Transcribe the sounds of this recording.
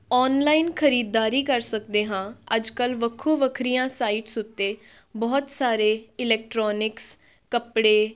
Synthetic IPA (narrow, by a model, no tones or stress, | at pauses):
ɔːnlaːinkʰəɾiːd̪ːaːɾiːkəɾsək̚d̪eːɦãːəd͡ʒkəlʋəkʰːoːʋəkʰɾijãːsaːiːʈsʊt̪ːeː | bɔːt̪saːɾeːɪlɛːk̚ʈɾɔːnɪks | kəpɽeː